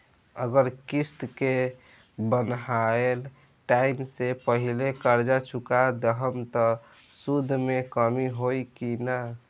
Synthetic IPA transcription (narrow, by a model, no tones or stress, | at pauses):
ə̰ɡəɾkist̪ke | bənɦael | ʈaimsepəɦilekəɾd͡ʒat͡ʃʰukad̪əɦəmt̪ɔ | sud̪ʱːmekəmiɦojkina